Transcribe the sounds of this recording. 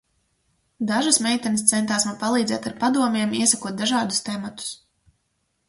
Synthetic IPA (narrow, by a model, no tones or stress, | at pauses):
d̪aʒasmʲɛjt̪ʲɛnst̪sɛnt̪aːsnapalˠiːzɛ̰ːt̪aɾpad̪uɔmʲiɛmiɛsakuɔt̪̚d̪aʒɑːd̪ust̪ɛmat̪u̥s